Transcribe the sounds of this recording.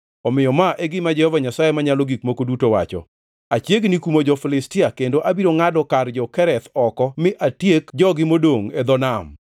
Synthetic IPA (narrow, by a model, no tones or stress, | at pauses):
ɔmɪjɔmaʔeɡɪmad͡ʒɛhɔvaɲasajemaɲalɔɡikmokodutowa̰t͡ʃɔ̰ | at͡ʃjeɡnikumod͡ʒɔfilɪstɪakendoʔabiɾoŋadɔkard͡ʒɔkɛɾɛt̪ɔkɔmɪʔatjekd͡ʒɔɡɪmodoŋed̪ɔnam